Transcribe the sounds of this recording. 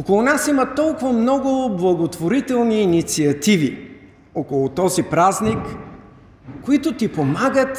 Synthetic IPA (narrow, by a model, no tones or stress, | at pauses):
okolˠʊnasimət̪ɔlˠkʊvɐmnɔɡʊblˠɐɡot̪voɾit̪ɛlˠniːnit̪siɐt̪ivi | ɔkolˠʊt̪ɔzipɾaznik | kːoit̪ʊt̪ipomaɡət̪